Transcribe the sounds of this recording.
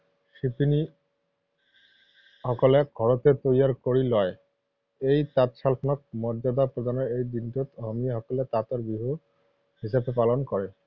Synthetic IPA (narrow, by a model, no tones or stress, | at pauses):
ʃip̪ini | hɔkoleɡʱɔɾot̪et̪ojaɾkoɾilɔe | ejt̪at̪ʃalpʰnok̚mɔɾd͡ʑad̪apɾod̪ʱaneɾejd̪inʈot̪ɦɔmiaɦɔkolet̪at̪oɾbɾiɦu | hiʃabepalonkɔɾe